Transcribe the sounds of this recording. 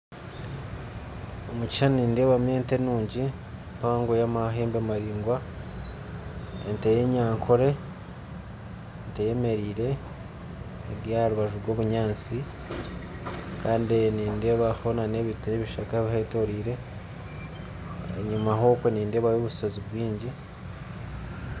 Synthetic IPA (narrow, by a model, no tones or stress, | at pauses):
omuci̥ʃanniːnde̞ːβamjeːntenuːɲɟi | mpaːŋɡojamaɦeːmbemaɾiːŋɡwa | entejeɲaːŋkʰo̞ɾe̞ | ntejeme̞ɾiːɾe̞ | ɡjaɾuβaʒuɾɡo̞ːβuɲaːnt͡si | kaːndiniːnde̞ːβaxonaneβitneβiʃakaeβiheto̞ɾiːɾe̞ | ḛɲumaɦo̞kweniːnde̞ːβaβoβuso̞ziβwiːɲɟi